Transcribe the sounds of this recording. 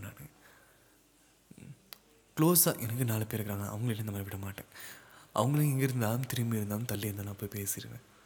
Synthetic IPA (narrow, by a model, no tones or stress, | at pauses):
nːaːn | kloːsa̰ːʔɛnɐkːɯnaːlɐpeːɾɯkːɾaːŋɐã̰ːɐʋɐŋɡɐɭɪʈːɐ̃nɪnɐmaːɾɪʋɪɽːɐmaːʈːḛ̃ːʔɐ̰ʋɐŋɡɐɭɯkːɡɛŋɡɐɪɾɯnd̪aːlɯʊmt̪ɪɾɪmbijɪɾɯnd̪aːlɯmt̪ɐlːiɪɾnd̪aːlːãːpːoːjipeːsɪɾɯʋḛ̃ː